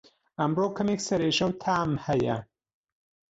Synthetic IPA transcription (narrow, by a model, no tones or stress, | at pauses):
ʔɐmroːkʰɐmeːksɐɾeːʒɐwt̪ʰaːmhɐjɐ̰